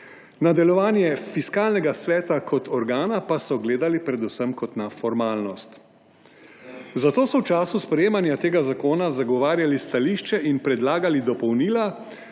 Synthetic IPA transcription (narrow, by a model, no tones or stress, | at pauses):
nad̪ɛlɔʋaːnjɛfiskaːlnɛɡasʋɛːt̪akʰɔt̪ɔɾɡaːnapasɔɡleːd̪alipɾɛd̪usəmkɔt̪nafɔɾmaːlnɔst̪ | zat̪oːsɔwt͡ʃaːsuspɾɛjeːmanjat̪eːɡazakoːnazaɡɔʋaːɾjalist̪aliːʃt͡ʃɛʔinpɾɛd̪laːɡalid̪ɔpɔwniːla